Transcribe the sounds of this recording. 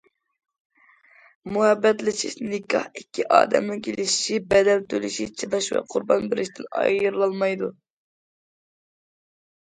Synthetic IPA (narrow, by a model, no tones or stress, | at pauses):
muhɛbːɛt̪lɪt͡ʃʰiʃnɪkʲʰɑ̰hikʲːiʔɑ̰ːd̪ɛ̰mnɨkʲʰelɪʃi̥ʃibɛd̪ɛlt̪ʰølɪʃit͡ʃʰɨvɑʃwɛ̰qʰʊɾbɑnbɪɾɪʃt̪ʰɪnɑ̰jəɾlˠɑlˠmɑjd̪u